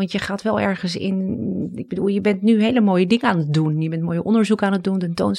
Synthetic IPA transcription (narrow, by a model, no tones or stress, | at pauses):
ʋɑntjəχaːtʋɛlˠɛ̰ɹχənsɪ̰nɪɡ̚bədulˠjəbɛntnyɦejləmoːjədɪŋəaːnət̚dunjəbɛntmoːjəʔɔndəɹzukaːnət̚duntɛnto̰wn